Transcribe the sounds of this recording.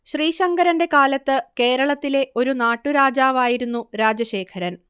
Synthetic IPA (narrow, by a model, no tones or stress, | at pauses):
ɕriːɕɐŋɡɐɾɐnde̞kaːlɐt̪ːɨke̞ːɾɐɭɐt̪ːile̞ʔo̞ɾunaːʈːuɾaːd͡ʑaːʋaːjiɾunːuɾaːd͡ʑɐɕe̞ːkʰɐɾɐn